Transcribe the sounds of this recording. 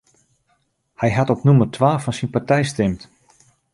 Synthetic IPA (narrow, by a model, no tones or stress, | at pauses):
hɛjɦatɔpnumərtʰʋaːfɔnsinpartɛjstɪmt